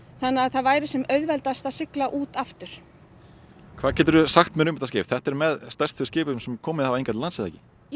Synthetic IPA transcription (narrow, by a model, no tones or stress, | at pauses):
θanːɪaðθaðvaːjɾɪsɛmœɥðvɛlt̪ast̪asɪklaʔuːt̪aft̪ʏɾ̥ | kʰvaːðcʰɛːt̪ʏɾʏsaxt̪mɛɾʏmɛt̪ascɪːfθɛht̪ɛɾmɛðst̪ɛrst̪θʏscɪːpʏʏmsɛmkʰɔːmɪðhavejŋkat̪lansɪðaːcɪ